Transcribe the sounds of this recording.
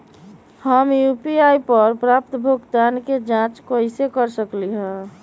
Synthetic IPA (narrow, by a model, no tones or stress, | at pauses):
həmjupiaipəɾpɾap̚t̪bʱoɡt̪anked͡ʒãt͡ʃkəɪsekəɾsəkliɦɛ̃